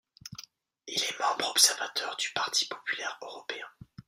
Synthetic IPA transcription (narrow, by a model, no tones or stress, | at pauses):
ilɛmɑ̃bʁɔpsɛʁvat̪ʰœʁd̪ypaʁt̪ʰi̥pɔ̥pylɛʁøʁɔpeɛ̃